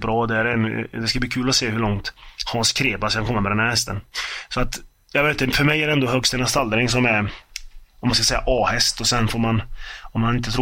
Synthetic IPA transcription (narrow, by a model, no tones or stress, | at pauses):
bɾɑːd̪ɛæɾɛnd̪ɛskabliːkʰʉːlɔseːhɵɭɔŋt̪hɑnskʰɾeːbaskʰankʰɔmːamɛd̪ɛnæːɾhɛst̪ənsɔat̪ | jɑveːt̪fœɾmɛjːæɾɛɛnd̪oɦœɡst̪ɛnast̪ald̪əɾɪŋs̬ɔmæɾ | ɔmːanskasɛjːaʔɑːhɛst̪ɔsɛnfoːɾmanɔmːanɪnt̪̬ːət̪ʰɾ